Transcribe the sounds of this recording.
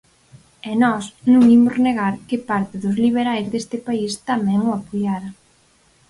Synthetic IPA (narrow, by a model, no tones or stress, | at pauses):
ɛnɔsnũŋimʊzneɣaɾkɪpaɾt̪ɪðʊzliβ̞eɾajzðest̪ɪpaist̪amɛ̃ŋʊapoʎaɾɐ